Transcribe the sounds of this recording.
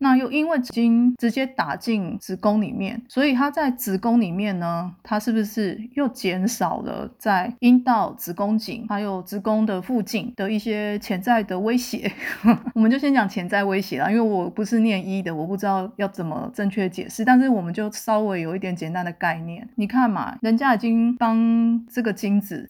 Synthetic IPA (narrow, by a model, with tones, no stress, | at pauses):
na˥˧jo˥˩ʊi˦˥nwe˥˩ɪʈ͡ʂi˧t͡ɕi˦˥nʈ͡ʂɻ̩˧˥t͡ɕjɛ˥t̪a˨˩t͡ɕi˥˩ŋt͡sɻ̩˧˥kʊ˥ŋlḭ˨˩mjɛ̰˥˩nswɔ˧˥i˨˩t̪ʰa˥t͡sa˥˩ɪt͡sɹ̩ɻ̩˧˥kʊ˥ŋli˨˩mjɛ˥˩nːə˩t̪ʰa˥ʂɻ̩˥˩bu˨˩ʂɻ̩˥˧jo˥˩ʊt͡ɕjɛ˧˥nʂɑ˨˩ʊlə̰˧˦t͡sa˥˩ɪi˦˥nt̪ɑ˥˩ʊt͡sɹɻ̩˧˥kʊ˥ŋt͡ɕḭ˨˩ŋt̪ʰa˥jo˨˩ʊt͡sɻ̩˧˥kʊ˥ŋd̪ə˨fu˥˧t͡ɕi˥˩nd̪̥ə˩i˥˩ɕjɛ˥t͡ɕʰjɛ˧˥nt͡sa˥˩ɪd̪ə˩we˥ɪɕjɛ̰˨˧˦wɔ˨˩mə˨˦t͡ɕo˥ʊɕjɛ˥nt͡ɕjɑ˨˩ŋt͡ɕʰjɛ˧˥nt͡sa˥˩ɪwe˥ɪɕjɛ̰˨˦lə̰˨˦i˥nwe˥˩ɪwɔ˨˩pu˧˦ʂɻ̩˥˧njɛ˥˧ni˦˥d̪ə˨wɔ˨˩pu˥˩ʈ͡ʂɻ̩˥t̪ɑ˥˧ʊjɑ˥˩ʊt͡sə˨˩nmə̰˦ʈ͡ʂə˥˧ŋt͡ɕʰɥɛ˥d̪ə˩t͡ɕjɛ̰˨˩ʂɻ̩˥˩t̪a˥˧nʂ̬ɻ̩˥˩wɔ˨˩mə˨˦nt͡ɕjo˥˩ʊʂɑ˥ʊwe˧˥ɪjo˨˩ʊi˥˩t̪jɛ˧˦nt͡ɕjɛ˨˩nt̪a˧˦nd̪ə˩˨ka˥˧ɪnjɛ̰˥˩nni˨˩kʰa˥˩nma̰˨˩ɻə˧˦nt͡ɕja˥i˨˩t͡ɕi˦˥ŋpɑ˥ŋʈ͡ʂə˥˩ɡə˩t͡ɕi˥ŋt͡sɹ̩˨˩